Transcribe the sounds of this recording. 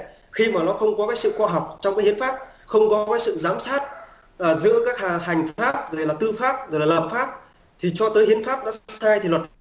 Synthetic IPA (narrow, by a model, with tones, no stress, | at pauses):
xi˧maː˨˩nɔ˨˦xə˧wŋ͡mkɔ˨˦kaː˨˦˥jsɨ̰˧˨xɔ˧ɦɔ˨˩wk͡p̚t͡ɕɔ˧wŋ͡mkaː˨˦jhi˨˦ənfaː˦˥p̚xə˧wŋ͡mkɔ˨˦kaː˨˦jsɨ̰˧˨zaː˨˦msaː˦˥t̚ | ʔəː˨˩zɨ̰˧˥əkaː˦˥k̚ha˨˩ha˨˩jŋ̟faː˦˥p̚zo˨˩jlaː˨˩t̪ɨ˧faː˦˥p̚zjlaː˨˩laː˨˩p̚faː˦˥p̚ | t̪ʰi˨˩t͡ɕɔ˧t̪əː˨˦jhi˨˦ənfaː˦˥p̚ɗa̰ː˧˥t̚saː˧jt̪ʰi˨˩lwə˨˩t̚